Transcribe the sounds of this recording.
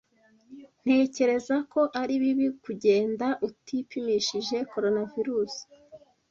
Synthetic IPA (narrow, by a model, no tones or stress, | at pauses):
n̥he̞ːce̞ɾe̞zako̞ʔaɾiβiβikuɟe̞ːndaʔutipimiʃiʒe̞ko̞ɾo̞naviɾuːsi̥